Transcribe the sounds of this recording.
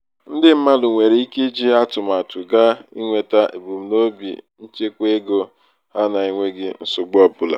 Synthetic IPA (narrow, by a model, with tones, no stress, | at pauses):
n̩˦dɪ˦m̩˦ma˦lʊ˨ŋʷe˨ɾe˦i˦ke˦d͡ʒi˦a˦tʊ˨m˨a˨tʊ˨ɡa˦i˦ŋʷe˨ta˦ʔḛ˨bu˨m̩˨˦no˦bḭ˨n̩˦t͡ʃe˦kʷe˦ɡo˨ | ha˦na˨i˦ŋʷe˦ɡɪ˦n̩˦sʊ˨ɡ͡bɔ˦˨bʊ˦la̰˨